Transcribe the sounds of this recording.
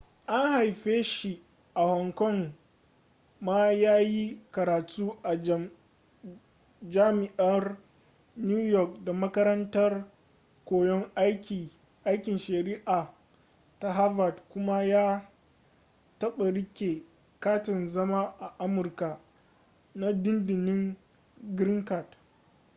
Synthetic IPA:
ʔa˦ŋha˨jɸeː˦ʃi˨ | ʔa˨hɔ˨ŋkɔ˦˨ŋ | maː˦jaː˦ji˦kɐ˨ɾaː˨tʰuː˦ʔa˨ | d͡ʒaː˦mɪ˨ʔɐ˦r | njuː˦jɔ˦˨k̚da˨mɐ˦kɐ˦ɾɐ˦ntɐ˦r | kʷoː˨jɔ˦ŋ˦kʲi˨ | ʔa˦jkʲɪ˨nʃɐ˨ɾi˦ʔaː˨ | ta˦ɦa˦va˨tkʷʊ˦ma˦jaː˦ | tɐ˦ɓa˨ɾɪ˦kʲe˨ | kaː˦tɪ˨nzɐ˦ma˦ʔa˨ʔa˦mʊ˨rka˨ | na˦dɪ˦ndɪ˨nɪ˦ŋ | ɡɾɪ˦ŋka˨d

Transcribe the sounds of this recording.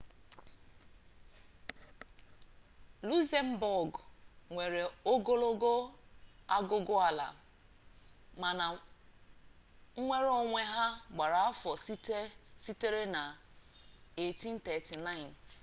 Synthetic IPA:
lu˦se˦m̩˦bɔ˨ɡŋʷe˨ɾe˨o˦ɡo˦lo˦ɡo˦ | a˦ɡʊ˦ɡʊ˦a˨la̰˨ | ma˨na˨ | ŋ̩˦ŋʷe˦ɾo˦ŋʷe˦ɦa˦ɡ͡ba˨ɾa˨a˦fɔ˨ssi˦te˦ɾe˦na˨ | e˨ti˦n̩˦tɛ˨ti˨na˦ɪ˨n˨

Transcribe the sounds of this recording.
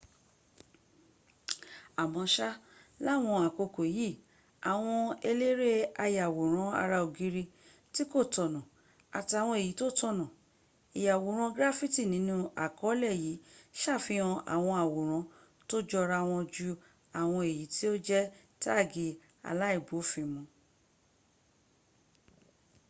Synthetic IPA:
a˨mɔ̃˨˧ʃa˦la˦˨w̃ɔ̃˧a˨ko˧ko˨ji˦˨ | a˨w̃ɔ̃˧e˧le˦ɾe˦a˧ja˨wo˨ɾ̃ã˨˦a̰˧ɾa˧o˨ɡi˧˦ɾi˧ | ti˦ko˦˨tɔ˨nã˨ | a˨ti˧a˨w̃ɔ̃˧e˨ji˨˦to˦tɔ˦˧˨nã˨ | i˨ja˨wo˨ɾ̃ã˧ɡɾa˦fi˦ti˦˨nĩ˨˦nũ˦a˨kɔ˨˦lɛ˦˨ji˨˦ʃa˦˨fĩ˨˦ɔ̃˧ʔa̰˨w̃ɔ̃˧a˨wo˨ɾ̃ã˨˧ | to˦d͡ʒɔ˧ɾa˧w̃ɔ̃˧d͡ʒu˧ | a˨w̃ɔ̃˧e˨ji˨˦ti˦o˦d͡ʒɛ˦ | ta˦˨ɡi˨˦ | a̰˨la˨˦i˦˨bo˨˦fĩ˧˦mũ˧

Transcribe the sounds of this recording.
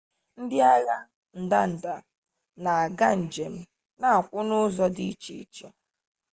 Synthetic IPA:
n̩˦dɪ˦a˦ɣa˦ | n̩˨da˦n̩˨da˨ | na˨a˨ɡa˦n̩˨d͡ʒe˨m̩˦ | na˦˨a˨kʷʊ˦nʊ˦zɔ˦di˦t͡ʃi˨i˦t͡ʃe˦

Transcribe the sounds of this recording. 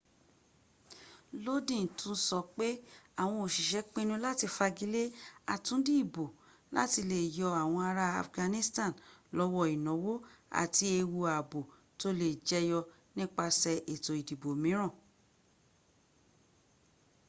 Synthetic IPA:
lo˦dĩ˦˨tũ˧n̩˦sɔ˧k͡pe˦a˦˨w̃ɔ̃˧o˨ʃi˨ʃɛ˨˦k͡pĩ˦nũ˧˦la˦ti˧fa˧ɡi˨˦le˦a̰˨tũ˨˦di˦i˦˨bo˨ | la̰˦ti˧le˨jɔ˧a˨w̃ɔ̃˧a˧ɾa˧a̰˨fɡã˧nĩ˦stã˦˨nlɔ˨˧wɔ˧i˨nɔ̃˨˦wo˦a̰˨ti˧e˧wu˧a˨bo˨ | to˦le˨d͡ʒɛ˧˦jɔ˧ | nĩ˦k͡pa˧sɛ˧ʔe˨to˨i˨di˨bo˨mĩ˨˦ɾ̃ã˦˨

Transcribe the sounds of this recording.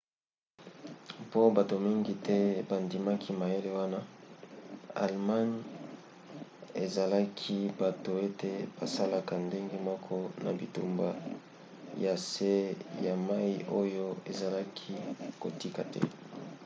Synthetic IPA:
po˦ba˨to˨mi˦ŋɡi˦tʰɛ˦ba˨ndi˨ma˦kʰi˦ma˨je˦le˨wa˦na˦ | a̰˨lma˦n | e˨za˨la˦kʰi˦ba˨to˨e˦te˦b̥a˨sa˦la˦ka˨nde˦ŋɡe˦mɔ˦kʰɔ˦na̰˨bi˨tṵ˨mba˦ | ja˨se˦ja˨ma˦i˦ʔo˦jo˦e˨za˨la˦kʰi˦ko˨ti˦ka˨tɛ̰˦

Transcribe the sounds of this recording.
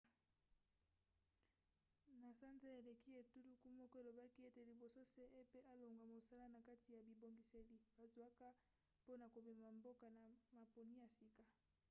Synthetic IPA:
na˨sa˦nza˦e˨le˨ki˦e˨tu˦lu˦ku˦mɔ˦kɔ˦e˨lo˨ba˦ki˦e˦te˨li˨bo˨so˦se˦ʔe˦pe˦a˦lo˨ŋɡwa˨mo˨sa˦la˦na˨ka˦ti˨ja˨bi˨bo˨ŋɡi˨se˨li˨b̥a˨zwa˦ka˦ | po˦na˨ko˨be˨ma˨mbo˦ka˨na˨ma˨po˨ni˦ja˨si˦ka˨

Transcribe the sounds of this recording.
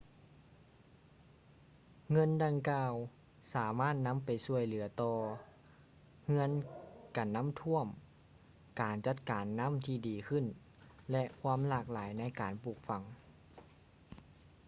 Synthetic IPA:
ŋɤ˧˥˨nda˧ŋkaː˧w | saː˩˦maː˥˩t̪̚na˧˥˨mpa˨˩jsu˧˩əjlɯ˩˦t̪ɔː˧ | ŋɯ˧˥ənka˨˩nːa˧˥˨mt̪ʰu˧˥˩əm | kaː˨˩nt͡ɕa˧˥t̪̚kaː˨nːa˧˥˨mt̪ʰiː˧˩diː˨˩kʰɯ˧˩˨n | lɛ˧ʔkʰwaː˧˥˨mlaː˧˩k̚laː˨˦jna˧˥˨jkaː˨npuː˧˩k̚fa˨˦ŋ

